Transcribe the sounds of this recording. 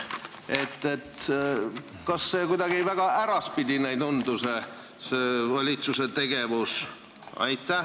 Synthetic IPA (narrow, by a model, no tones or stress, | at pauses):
e̞t̪ˑːe̞t̪ | kɑsːeːkujd̪ɑɡ̥ievæɡ̥ɑʔæɾɑspid̪̥ʲinæjd̪ond̪use | seːvɑlʲit̪suse̞t̪e̞ɡ̥e̞vus | ɑ̰jt̪ˑːæ